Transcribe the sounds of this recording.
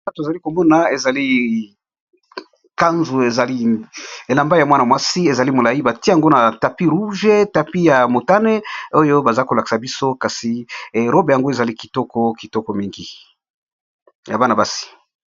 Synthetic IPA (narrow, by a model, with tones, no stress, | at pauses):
a˦to˨za˨li˦ko˨mɔ˦na˨e˨za˨li˦ | ka˦nzu˨e˨za˨li˦e˨la˨mba˦ja˨mwa˦na˨mwa˦si˦e˨za˨li˦mo˨la˨ji˦ba˨ti˦ja˨ŋɡo˦na˨ta˨pi˦ʁu˦ʒe˦ta˨pi˦ja˨mo˨ta˦ne˦o˦jo˦ba˨za˦ko˨la˨ki̥˨sa˨bi˦so˦ka˨si˨ʁo˦be˨ja˨ŋɡo˦e˨za˨li˦ki̥˨tɔ˦kɔ˦ki˨tɔ˦kɔ˦mi˦ŋɡi˨ | ja˨ba˦na˨ba˦si̥˨